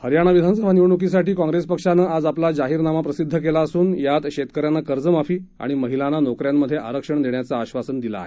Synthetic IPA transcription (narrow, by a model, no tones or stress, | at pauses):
həɾjaɽ̃aʋid̪ʱansəbʱaniwɳuk̬is̬aʈiːkɔ̃ŋɡɾespəkʂanaad͡zaplad͡zaɦiːɾnamapɾəsid̪ʱːək̬elaəsuːnjat̪ɕet̪̚kəɾjanakəɾd͡zəmafiːa̰ɽ̃iməɦilananokɾjamːəd̪ʱːjeʔa̰ɾəkʂəɳd̪eɳjat͡saːɕʋasənd̪ila̰ːɦe